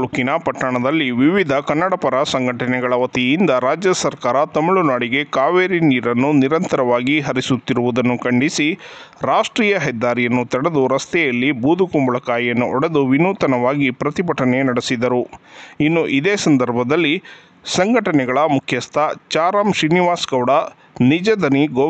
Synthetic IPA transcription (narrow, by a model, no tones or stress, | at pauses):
ɭukinɐpɐʈːɐɳɐd̪ɐlːiʋiʋid̪ʱɐkɐnːɐɽɐpɐɾɐsɐŋɡʱɐʈɐnɛɡɐɭɐʋɐt̪ijind̪ɐɾaːd͡ʒjɐsɐɾkaːɾɐt̪ɐmiɭunaːɽiɡe̞kaːʋeːɾiniːɾɐnːuniɾɐnt̪ɐɾɐʋaːɡiɦɐɾisut̪ːiɾuʋud̪ɐnːukɐɳɖisi | ɾaːʂʈɾiːjɐɦɛd̪ːaːɾijɐnːut̪ɐɽed̪uɾɐst̪ɛjɐlːibuːd̪ʱukumbɐɭɐkaːjjɐnːuʔɔɽed̪uʋinuːt̪ɐnɐʋaːɡipɾɐt̪ibɐʈɐnenɐɽisid̪ɐɾuinːuʔid̪eːsɐnd̪ɐɾbʱɐd̪ɐlːi | sɐŋɡʱɐʈɐnɛɡɐɭɐmukʰjɐst̪ʰɐt͡ʃaːɾaːmʃɾiniʋaːsɡɐwɽɐ | nid͡ʒɐd̪ɐniɡoː